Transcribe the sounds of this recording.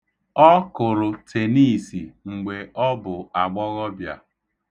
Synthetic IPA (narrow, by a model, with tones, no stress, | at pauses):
ɔ˦kʊ˨ɾʊ˨tʰe˨ni˦˨si˨ŋ͡m̩˨ɡ͡be˨ʔɔ˦bʊ˨a˨ɡ͡bɔ˦ɣɔ˦bja̰˨